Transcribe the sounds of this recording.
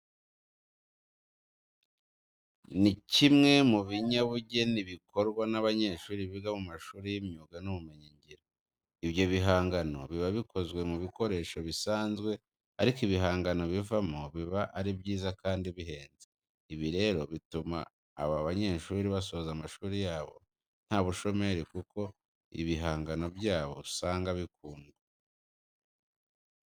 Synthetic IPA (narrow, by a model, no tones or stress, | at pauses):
nicimŋe̞muβiɲaβuɟe̞niβikʰo̞ɾɡwanaβaɲe̞ːʃuːɾiβiɡamumaʃuːɾijimɲuːɡanuβume̞ɲiɲɟiɾo | iβjo̞βiɦaːŋɡano̞̰βiβaβikʰo̞zɡwe̞muβiko̞ɾe̞ːʃo̞βisaːnzɡwe̞ | aɾikiβiɦaːŋɡano̞βivamoβiβaʔaɾibjiːzakaːndiβiɦe̞ːnze | iβiɾe̞ːɾo̞βituma̰ː | βaβaɲeːʃuɾːɾiβaso̞ːzamaʃuːɾijaːβo̞̰ | n̥haːβuʃo̞me̞ɾikuko̞ | ḭβiɦaːŋɡano̞bjaːβo̞̰saːŋɡaβik̚uːŋɡwe